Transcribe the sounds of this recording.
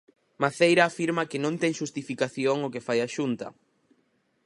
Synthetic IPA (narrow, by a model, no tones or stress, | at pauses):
maθejɾaːfiɾmɐkɪnõnt̪ɛŋʃust̪ifikaθjoŋʊkefajaʃunt̪ɐ̰